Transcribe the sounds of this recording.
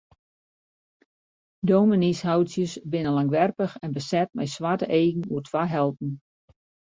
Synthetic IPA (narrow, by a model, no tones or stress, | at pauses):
dowmənishawtsjəsbɪnəlaŋʋɛrpəxɛnbəsɛt̚mɛ̰jsʋatəʔeːɡn̩uərtʰʋaɦɛlˠt̚n̩